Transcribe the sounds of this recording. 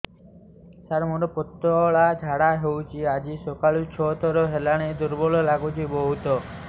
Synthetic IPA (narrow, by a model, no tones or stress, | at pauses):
saɾmoʈɔpɔt̪ːɔɭad͡ʒʱaɽaɦewt͡ʃʰiad͡ʒisokaɭut͡ʃʰɔɦt̪ɔɾɔɦelaɽ̃ed̪uɾbɔlɔlaɡut͡ʃʰibɔɦut̪ɔ